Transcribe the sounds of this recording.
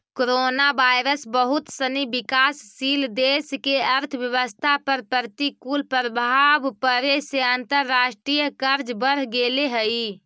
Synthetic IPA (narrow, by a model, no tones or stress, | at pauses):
koɾonabajɾəsbəɦut̪sənibikasːild̪eskeəɾt̪ʰəʋjəʋəst̪ʰapəɾpəɾt̪ikulpɾəbʱabpəɾeseənt̪əɾːaʃʈɾijəkəɾd͡ʒbəɾ̤ɡeleɦəi